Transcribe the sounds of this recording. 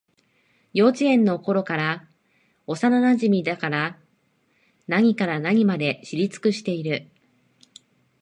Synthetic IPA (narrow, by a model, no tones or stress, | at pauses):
jo̞ːt͡ɕiẽ̞nːo̞ko̞ɾo̞kaɾa | o̞sananaʑimʲid̪akaɾa | naɲ̟ikaɾanaɲ̟imad̪e̞ɕiɾʲit͡sɨ̥kɯ̟ɕi̥t̪e̞iɾɯ̟